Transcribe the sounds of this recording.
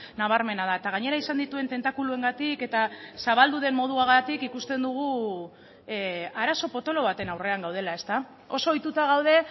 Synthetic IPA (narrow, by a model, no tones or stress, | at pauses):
naβ̞aɾme̞naðae̞t̪aɣ̞aɲe̞ɾaisand̪it̪ue̞nt̪e̞nt̪akulue̞ŋɡat̪ike̞t̪asaβ̞ald̪uðe̞mmo̞ð̞uaɣat̪ikikust̪e̞nd̪uɣ̞u | aɾaso̞po̞t̪o̞lo̞β̞at̪e̞nawre̞aŋɡawð̞elae̞st̪a | o̞so̞ːjt̪ut̪aɣ̞awðe̞